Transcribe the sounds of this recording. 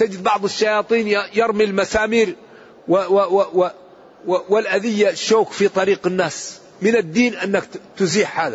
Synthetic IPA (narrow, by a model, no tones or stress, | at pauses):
t̪ad͡ʒɪd̪̚bɑʕd̪ˤɪʃːajɑːt̪ˤiːnjjɑɾˤmilmasaːmiːɾ | wɪwww | wɪlʔaðɪjːaʃːoːkfit̪ˤɑɾiːqɪnːaːs | mɪnɪd̪ːiːnʔanːɪkt̪ʊziːħhaːða